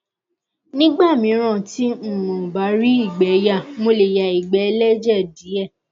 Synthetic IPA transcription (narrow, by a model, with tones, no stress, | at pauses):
nĩ˦ɡ͡ba˦˨mĩ˨˧˦ɾ̃ã˦˨tĩ˦˨mɔ̃˨ba˨˦ɾi˦i˦˨ɡ͡bɛ˨˦ja˦˨mo˧le˨ja˨i˨ɡ͡bɛ˨˦lɛ˦d͡ʒɛ˦˨di˨˦ɛ˦˨